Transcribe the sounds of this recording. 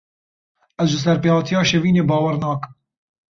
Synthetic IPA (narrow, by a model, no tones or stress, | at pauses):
ɛzʒɨs̬ɛɾpeːhɑːt̪ʰijɑːʃeviːneːbɑːwɛɾnɑːkm